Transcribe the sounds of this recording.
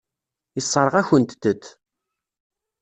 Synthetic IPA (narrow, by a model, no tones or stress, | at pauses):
isˤːəɾˤəʁæçənt̪d̪ət̪ː